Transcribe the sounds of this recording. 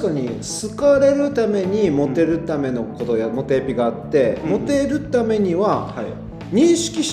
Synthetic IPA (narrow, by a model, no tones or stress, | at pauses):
kaɲ̟isɨkaɾe̞ɾɯ̟t̪ame̞ɲ̟imo̞t̪e̞ɾɯ̟t̪ame̞no̞ko̞t̪o̞jamo̞t̪e̞pʲiɡaːt̪ːe̞mo̞t̪e̞ɾɯ̟t̪ame̞ɲ̟iβa | ɲ̟ĩɰ̃ɕi̥kʲiɕ